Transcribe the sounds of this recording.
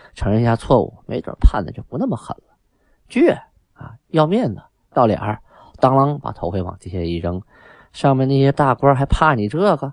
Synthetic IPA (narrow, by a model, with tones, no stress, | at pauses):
ʈ͡ʂʰɤ˧˥ŋɻə˥˧n˥˧ɕja˥t͡sʰwɔ˥˩ṵ˧˩me˧˥ɪt̪wə̰˨˩pʰa˥˩nd̪ə˨˩jo˥˩ʊpu˧˥na˥˩mə˩xə̰˨˩nlə˦ | t͡ɕɥɛ˥˩ | a̰˧jɑ˥˧ʊmjɛ˥˩nd̪ə˩ | t̪ʊljɛ̰˨˩ə˞˧˥ | t̪ɑ˥ŋlɑ˥ŋpa̰˨˩t̪ʰo˧˥ʊkʰwe˥wɑ̰˨˩ŋt͡ɕi˥˩ɕjɛ˥˧i˥˩ʈ͡ʂɤ˥ŋ | ʂɑ˥˧ŋmɛ˥˧na˥˩ɕjɛ˥t̪a˥˩kwə˥xa˧˥ɪpʰa˥˩ni˨˩ʈ͡ʂɤ˥˩˧ɡə˧